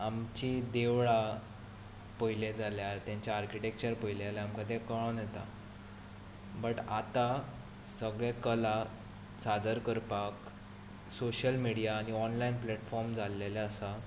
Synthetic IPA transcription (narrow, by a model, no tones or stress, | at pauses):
amt͡ɕid̪eʋɭa | pəiled͡zaljaɾt̪jãɲt͡ɕjaːɾkiʈek̚t͡ɕəɾpəjilealaamkad̪ekəɭənet̪a̰ | bəʈat̪a | səɡɭekəla | sad̪əɾkəɾpak | soɕəlmiɽijaːɽ̃iɔnlainplɛʈfɔɾmd͡zalelaəsa